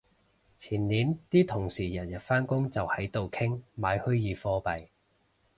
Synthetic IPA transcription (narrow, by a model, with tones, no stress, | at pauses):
t͡sʰiː˨˩nliː˨˥nt̪iː˥t̪ʰʊ˨˩ŋsiː˨˩jɐ˨˩njɐ˨t̚faː˥nkʊ˥ŋt͡sɐ˨whɐ˨˥jt̪o˨wkʰɪ˥ŋmaː˨˧˥jhɵ˥ɥjiː˨˧fɔː˥pɐ˨j